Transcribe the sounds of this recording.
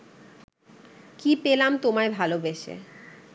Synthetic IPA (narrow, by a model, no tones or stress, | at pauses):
kipelamt̪omaebʱalobeʃḛ